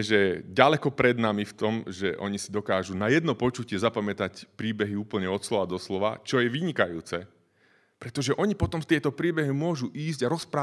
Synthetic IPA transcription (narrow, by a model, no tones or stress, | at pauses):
ʒɛɟalɛkɔpɾɛd̪namift̪ɔmʒɛ̰ʔɔ̰ɲisid̪ɔkaːʒunajɛd̪nɔpɔt͡ʃucɪɛzapamɛt̪acpɾiːbɛɦiuːpl̩ɲɛɔt̪slɔʋad̪ɔslɔʋa̰t͡ʃɔjɛʋiɲikajuːt͡sɛ | pɾɛt̪ɔʒɛʔɔɲipɔt̪ɔmst̪ɪɛt̪ɔpɾiːbɛɦimʊɔʒuʔiːzɟaɾɔspɾaː